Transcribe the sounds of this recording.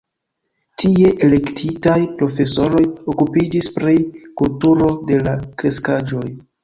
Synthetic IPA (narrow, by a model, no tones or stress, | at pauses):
tie̞ʔele̞ktʰitajpɾo̞fe̞so̞ɾo̞jo̞kupid͡ʒispɾikultuɾo̞de̞lakɾe̞skad͡ʒo̞j